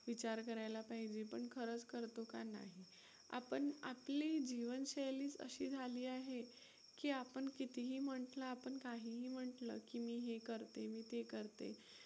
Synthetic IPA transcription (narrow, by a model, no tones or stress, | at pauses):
ʋit͡ɕaɾkəɾajlapaɦid͡ʑepəɳkʰəɾət͡skəɾt̪okana̰ɦi | a̰pəɳa̰plid͡ʑiʋənɕejliːt͡sə̰ɕiːd͡zʱaliːaɦe | kiːapəɳkit̪iɦiːm̤əɳʈləapəɳkaɦiːɦiːm̤əʈləkimiːɦekəɾt̪emiːt̪ekəɾt̪ḛ